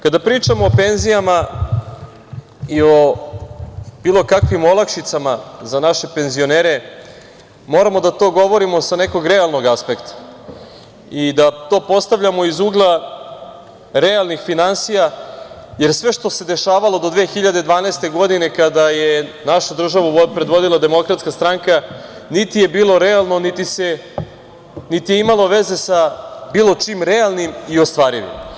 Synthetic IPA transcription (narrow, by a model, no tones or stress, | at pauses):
kad̪apɾiːt͡ʃamoːpe̞nzijama | io̞ | b̥iːlo̞kakʋimolˠakʃit̪samazanaʃe̞pe̞nzio̞neːɾe̞ | mo̞ːɾamo̞d̪at̪o̞ɡo̞ʋoɾimo̞sane̞ko̞ɡɾe̞alˠno̞ɡaspe̞kt̪ḁ | id̪at̪o̞ːpo̞st̪aʋʎʲamo̞izuːɡlˠa | ɾealˠnixfinansija | jeɾsʋe̞ʃt̪o̞se̞d̪e̞ʃaːʋalˠo̞d̪od̪ʋe̞ːxiʎad̪ed̪ʋaːnast̪e̞ɡo̞d̪ine̞kad̪ajenaʃad̪r̩ʒaʋuopɾed̪ʋo̞d̪ilˠad̪e̞mo̞kɾat̪skast̪ɾaŋka | nit̪ije̞biːlˠo̞ɾealˠnonit̪ise̞ | nit̪ijeimalˠo̞ʋe̞ze̞sabiːlˠo̞t͡ʂimɾealˠnimiost̪ʋaːɾiʋḭm